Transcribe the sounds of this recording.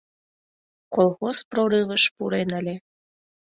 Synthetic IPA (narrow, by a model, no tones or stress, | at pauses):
kolˠɣosproɾɨβəʃpuɾenəlʲe